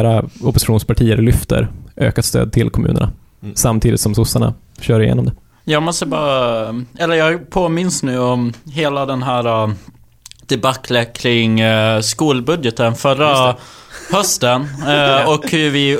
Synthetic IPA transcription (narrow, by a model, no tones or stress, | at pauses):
ɾaɔpːʊsɪ̥ɧuːnspaʈʰiːəɾlʏft̪ə̰ɾʔø̰ːkat̪st̪ø̰ːd̪̚t̪ʰɪlkʰɔmʉ̟ːnə̰ɳa̰ | samt̪ʰiːd̪ɪt̪sɔmsʊsːaɳa̰ | ɕœːɾɪjḛːnɔmd̪ɛ | jɑːɡmɔst̪əbɑːɾaɛlːəɾjɑːɡpʰoːmɪnsnʉ̟ːɔmɦeːlad̪ɛnɦæːɾa | d̪̥ɛbakʰːlɛkʰɾɪŋskuːlbɵd̪jət̪ənfœɾːa | hœst̪ənɔkhɵɾvɪ